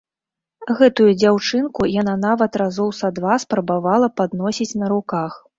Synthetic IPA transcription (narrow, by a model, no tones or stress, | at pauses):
ɣɛt̪ujud͡zʲawt͡ʂɨnkujananavɐt̪ɾazɔwsad̪vaspɾɐbavalˠɐpad̪nɔsʲit͡sʲnɐɾukax